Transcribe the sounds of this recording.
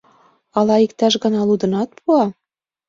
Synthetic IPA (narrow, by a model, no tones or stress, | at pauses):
ɑlɑikt̪ɑʃɡɤ̆nɑlud̪ə̆nɑt̪̚pʰuɑ